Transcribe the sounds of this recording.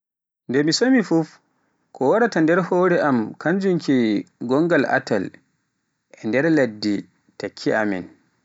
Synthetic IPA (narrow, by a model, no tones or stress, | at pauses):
ndɛmisomifuf | kʰɔwaɾatandɛɾhɔːɾɛʔamkaɲd͡ʒuŋkiɡɔŋɡala̰tal | ʔɛndɛɾladːi | takʰːiamḭn